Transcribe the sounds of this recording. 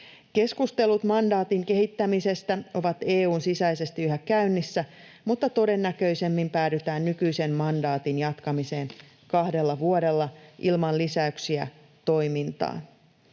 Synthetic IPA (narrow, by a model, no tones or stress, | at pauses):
ke̞skust̪e̞lut̪mɑndɑːt̪iŋke̞ɦit̪ːæmise̞st̪æo̞ʋɑt̪e̞ːuːnsisæjse̞st̪iyɦækæynːisːæ | mut̪ːɑt̪o̞de̞nːækø̞ise̞mːimpæːdyt̪æːnːykyjse̞mmɑndɑːt̪injɑt̪kɑmise̞ːn | kɑhde̞lːɑʋuode̞lːɑʔilmɑllisæyksiæ̰ | t̪o̞jmint̪ɑ̰ː